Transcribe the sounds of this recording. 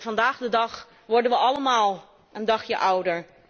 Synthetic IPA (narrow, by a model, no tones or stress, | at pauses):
v̥ɑndaːχdədɑχ | ʋɔɹdənʋəʔɑləmaːlˠ | ʔəndɑχjəʔʌwdəɹ